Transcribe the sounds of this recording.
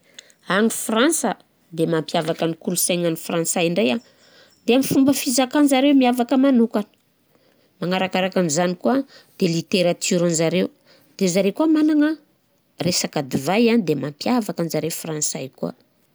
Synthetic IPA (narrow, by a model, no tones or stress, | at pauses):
aŋifransə | d̪emampiavakanikulusaŋanifransaiɳɖ͡ʐeja | d̪eamifumbəfizakanzaɾewmiavakəmanukanə̥ | maŋaɾakaɾakanizanikuad̪̥elit̪eɾat̪ʰyɾanzaɾew | d̪̥ezaɾekuamanaŋə | resakad̪ivajand̪emampijavakanzaɾeufransajkṵa̰